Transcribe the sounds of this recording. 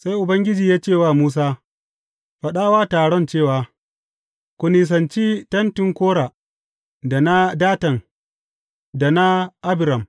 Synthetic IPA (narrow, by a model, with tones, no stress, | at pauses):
sa˦jʔʊ˨bɐ˦ŋɡʲɪ˦d͡ʒiː˨jaː˦t͡ʃeː˦˨waː˦˨muː˦s̬aː˦ | ɸɐ˦ɗaː˦waː˦taː˨ɽɔ˦nt͡ʃeː˦˨waː˨ | kʷʊ˨niː˨s̬ɐ˨nt͡ʃiː˦tɐ˦ntɪ˨ŋkʷoː˦ɽa˨ | da˨na˦daː˦tɐ˨ŋ | da˨na˦ʔa˦bɪ˨ɾɐ˨m